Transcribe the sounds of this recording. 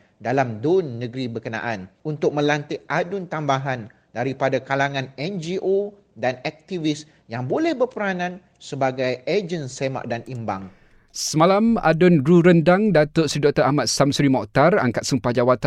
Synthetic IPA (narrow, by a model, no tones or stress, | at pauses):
dalamdonːə̃ɡɾibəkənã̰ʔanunt̪ʊk̚mə̃lant̪ɪʔʔadʊnt̪ambaɦan | daɾipadakalaŋãnɛnd͡ʒiʔo | danɛk̚t̪ivɪs | jaŋbolɛhbərpəɾanãn | səbaɡajed͡ʒənsema̰ʔdanimba̰ŋ | səmãlama̰dʊnɡɾuɾəndaŋdat̪ʊtsɾidɔk̚t̪əʔamat̪̚samsɾimɔʔt̪ara̰ŋkat̪̚səmpad͡ʒawat̪a